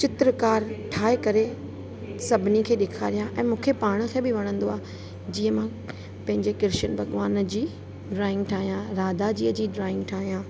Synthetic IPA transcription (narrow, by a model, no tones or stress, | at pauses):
t͡ɕɪt̪ɾəkaːɾʈʰaːɦekɐɾe | sɐbʱɪnikʰeːɗɪkʰaːɾijãʔɛ̃ːmũːkʰepaːɽ̃ə̆kʰeːbɪʋɐɽ̃ə̃nd̪oaːɦ | d͡ʑiːəmã | pɐ̃ɦɪ̃ɲd͡ʑekɪɾʃənbɐɠʋaːnd͡ʑiː | ɖɾaːɪ̃ŋɡʈʰaːɦijãɾaːd̪ad͡ʑiːəd͡ʑiːɖɾaːɪ̃ŋɡʈʰaːɦijãː